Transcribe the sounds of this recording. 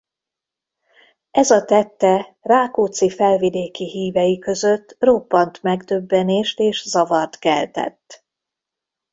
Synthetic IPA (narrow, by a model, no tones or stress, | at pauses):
ɛzɒt̪ɛt̪ːɛraːkoːt̪sifɛlvid̪eːkiɦiːvɛjikø̞zø̞t̪ːro̞pːɒnt̪mɛɡd̪øbːɛneːʃt̪eːʃzɒvɒrt̪kɛ̰lt̪ɛ̰t̪ː